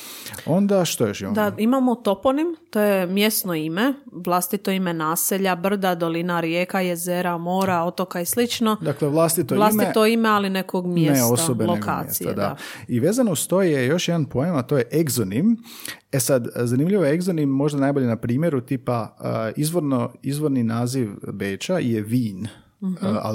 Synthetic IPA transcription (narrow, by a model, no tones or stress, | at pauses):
o̞nd̪aʃt̪ojoʃid̪aimamot̪o̞ponimt̪ojemje̞st̪noimeʋlˠast̪it̪oime̞naːseʎabr̩d̪ad̪o̞linaɾjeːkaje̞zeɾamo̞ːɾao̞t̪o̞kaislit͡ʃnod̪akleʋlˠast̪it̪oʋlˠasmit̪oimealinekoɡmjeneossobeloka̰ːsia̰d̪a̰aiʋe̞ːzanoust̪o̞jjejo̞ʃjed̪anpojemat̪o̞ːjeʔeɡzonim | esad̪zanimʎiʋojeeɡzonimːo̞ʒd̪anajbo̞ʎenapɾiːmjeɾut̪ipaizʋoɾnoizʋo̞ɾninaːziʋbeːt͡ʃaijeʋiːn | a̰